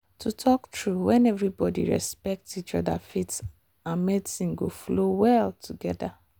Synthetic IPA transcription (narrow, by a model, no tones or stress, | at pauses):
tutʰɔktɹuwɛ̃nɛvɹibɔdḭɹɛ̰spɛk̚tit͡ʃɔ̰da̰fits | ãnmetsĩmɡoflowɛltʰuɡɛda